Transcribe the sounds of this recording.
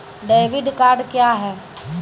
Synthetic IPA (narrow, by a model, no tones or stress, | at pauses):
ɖeːʋɪɖkaːɾɖkjaɦɛː